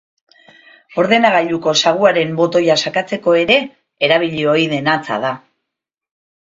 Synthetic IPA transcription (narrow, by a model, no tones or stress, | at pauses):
o̞ɾðe̞naɣaʎuko̞saɣ̞uaɾe̞mbo̞t̪o̞jasakat͡se̞ko̞e̞ɾe̞ː | ɾaβ̞iʎio̞jðe̞nat͡sa̰ð̞a